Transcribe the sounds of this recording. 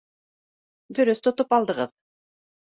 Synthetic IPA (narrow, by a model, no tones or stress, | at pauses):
d̪ɵɾyst̪ʰot̪upɑlˠd̪ɤʁɤð